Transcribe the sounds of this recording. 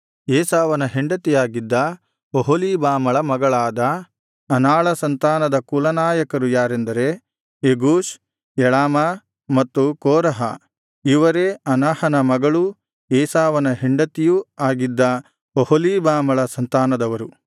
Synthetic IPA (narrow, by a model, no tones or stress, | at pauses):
ɛːsaːʋɐnɐɦeɳɖɐt̪ijaːɡid̪ːɐ | oɦoliːbaːmɐɭɐmɐɡɐɭaːd̪ɐː | naːɭɐsɐnt̪aːnɐd̪ɐkulɐnaːjɐkɐɾujaːɾend̪ɐɾe̞ | eɡuːʃ | jɛɭaːma | mɐt̪ːukoːɾɐɦɐ̰ | iʋɐɾeɐnaːhɐnɐmɐɡɐɭu | eːsaːʋɐnɐɦeɳɖɐt̪ijuaːɡid̪ːɐ | oholiːbaːmɐɭɐsɐnt̪aːnɐd̪ɐʋɐɾu